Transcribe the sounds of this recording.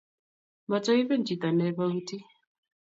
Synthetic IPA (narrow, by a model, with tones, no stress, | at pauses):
ma˨t͡sɔ˦i˦βɛ˦nd͡ʒi˨t̪a˨nɛ˦βa˦u˦ti˦